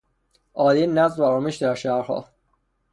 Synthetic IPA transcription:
ʔɒːd̪enæzvæɾɒːmeʃd̪æɾʃæɾhɒ̰ː

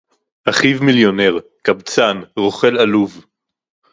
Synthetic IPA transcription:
ʔaχivmiljo̞neʁkabt͡sanʁoχe̞laluv

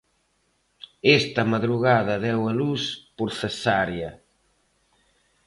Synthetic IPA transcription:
ɛst̪ɐmaðɾuɣaðɐðɛwɐluspuɾθesaɾjɐ

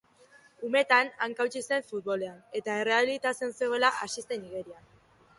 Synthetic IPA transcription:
ume̞t̪anaŋkawt͡sise̞ɱfut̪̚βo̞le̞ane̞t̪ae̞re̞aβilit̪at͡se̞nseɣoelaʔasise̞niɣe̞ɾian

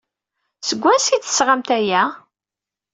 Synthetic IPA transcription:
səɡʷːæsit͡s̪ːə̥sʁamt̪æjæ

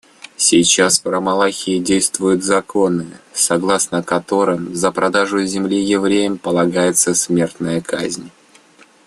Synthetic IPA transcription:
sʲɪjt͡ɕasppɾəmɐlˠaxʲɪɪdʲejst̪vʊjʊt̪zɐkʰo̞nɨsɐɡlˠasnəkɐt̪o̞ɾɨmzəpɾɐd̪aʐʊzʲɪmlʲijɪvɾʲejəmpəlˠɐɡajɪt̪səsʲmʲe̞rt̪nəjəkʰazʲnʲ

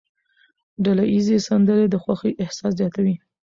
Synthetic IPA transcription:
ɖalajizesand̪əɾed̪əxwaxeʔɪhsɑszjɑt̪awi

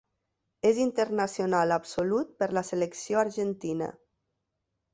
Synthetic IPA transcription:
ezint̪əɾnasionalapsolut̪̚pəɾləseləksioaɾʒent̪inə̰

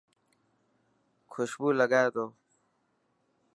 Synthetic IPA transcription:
kʰuɕbulaɡajd̪o

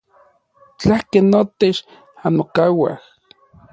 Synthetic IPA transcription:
t͡ɬahkenːot̪et͡ʃ | anokawa̰h

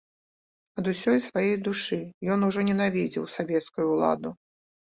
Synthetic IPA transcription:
ɐd̪usʲɔjʲsvajejd̪uʂɨjɔnuʐɔnʲɛnavʲid͡zʲḭwsavʲɛt̪skujuːlˠa̰d̪u

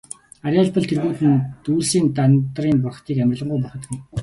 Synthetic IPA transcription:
aɾʲaːɮpɞ̆ɮt̪ʰerɣuːt̪ɘ̆nt̪uːsiːnt̪ant̪riːmp̬ʊrχ̆t̪ʰiːkæmʲr̆ɮə̆ɴɢʊjp̬ɔrχɞ̆t̪ɡɘ̆

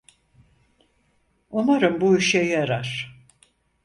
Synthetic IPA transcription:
umaɾɯmbuiʃɛjaɾaɾ̥

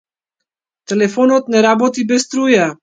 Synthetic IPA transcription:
t̪ɛlɛfɔnɔt̪nɛɾabɔt̪ibɛst̪ɾuja

